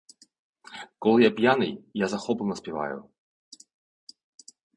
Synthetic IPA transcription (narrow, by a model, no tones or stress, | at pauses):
kolˠjapʲjanɨjjazɐxɔpɨnəspʲɪva̰jʊ̰